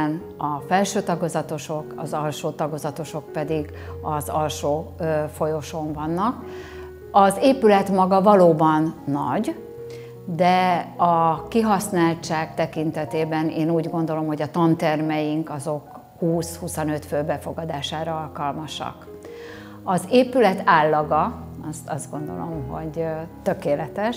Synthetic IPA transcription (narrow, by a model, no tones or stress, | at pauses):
n | ɒfɛlʃøːt̪ɒɡo̞zɒt̪o̞ʃo̞kɒ̰zɒlʃoːt̪ɒɡo̞zɒt̪o̞ʃo̞k̚pɛd̪iɡ | ɒzɒlʃoːfo̞jo̞ʃo̞ɱvɒnːɒk | ɒzeːpylɛt̪mɒɡɒvɒloːbɒnːɒɟ | d̪ɛɒkiɦɒsnaːlt͡ʃaːkt̪ɛkint̪ɛt̪eːbɛneːnuːɟɡo̞nd̪o̞lo̞mho̞ɟɒt̪ɒnt̪ɛrmɛjiŋkɒzo̞k | huːshusonø̞t̪følbɛfo̞ɡɒd̪aːʃaːɾɒɒlkɒlmɒʃɒ̰k | ɒzeːpylɛt̪aːlːɒɡɒɒst̪ɒzd̪ɡo̞nd̪o̞̰lo̞̰mɦo̞̰ɟt̪ø̞keːlɛt̪ɛʃ